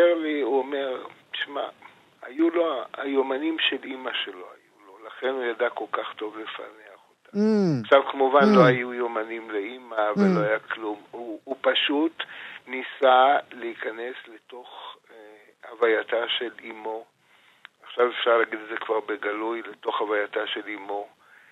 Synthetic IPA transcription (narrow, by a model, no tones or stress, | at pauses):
eʁliuome̞ʁti̥ʃma̰ | a̰juloa̰jomanimʃelimaʃelo̞ajulo̞laχe̞nhujadako̞lkaχto̞vlefa̰neaχotaχʃavkemuvanlo̞ajujo̞manimleimavalːoajaklumuːpaʃutnisaleikane̞sle̞to̞χ | havajataʃe̞limo̞ | aχʃavefʃaʁlaːɡidedzekvaʁbe̞ɡalujle̞to̞χhavajataʃe̞limo̞